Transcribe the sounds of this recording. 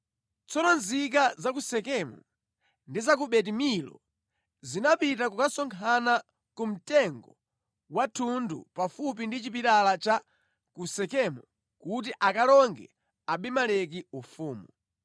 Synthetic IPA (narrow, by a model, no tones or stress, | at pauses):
t͡sɔnɔnzik̬azakusɛkɛmṵ | ndizak̬uɓɛt̬imilɔ̰ | zinapitakukasɔŋkʰana | kum̩tɛŋɡɔ | watʰundṵpafup̬indit͡ʃipiɾalat͡ʃa | kusɛkɛmu | kut̬iʔakalɔŋɡɛ̰ | aɓimalɛk̬iufuːmu